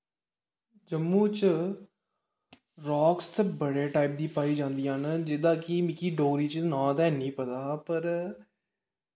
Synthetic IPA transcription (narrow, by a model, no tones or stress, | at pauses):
d͡ʒəmːũːt͡ʃ | ɾɔːkst̪əbəɽeːʈaːɪp̚d̪iːpaːiːd͡ʒãːnd̪iːaːnd͡ʒɪd̪ãːkɪmɪkiːɖoːɾiːt͡ʃnãːt̪ɛːnĩːpət̪aːpəɾ